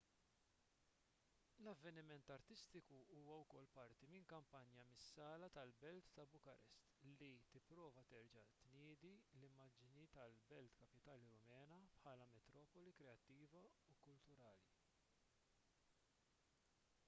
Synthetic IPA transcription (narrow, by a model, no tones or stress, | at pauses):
lɐvːɛnɪmɛnt̪ɐɾt̪ɪst̪ɪkuuːwɐwkɔlːpɐɾt̪imɪŋkɐmpɐnjɐmɪsːɐːlɐt̪ɐlbɛlt̪ːɐbʊkɐɾʔɛst̪lit̪ɪpːɾɔːvɐt̪ɛɾd͡ʒɐt̪nɪːd̪ilɪmːɐːd͡ʒnit̪ɐlbɛlt̪kɐpɪt̪ɐːliɾʊmɛːnɐpħɐːlɐmɛt̪ɾɔːpɔlikɾɛɐt̪ːiːvɐukʊlt̪ʊɾɐːli